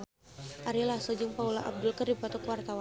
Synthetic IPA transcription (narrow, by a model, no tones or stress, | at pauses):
ʔaɾilasɔd͡ʒəŋpaulaʔa̰b̚dʊlkərdipat̪ukwart̪awa